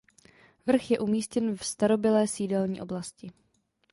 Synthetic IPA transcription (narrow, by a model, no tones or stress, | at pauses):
vr̩xjɛʔumiːscɛnfst̪aɾo̞bɪlɛːsiːdɛlɲḭːʔo̞blascɪ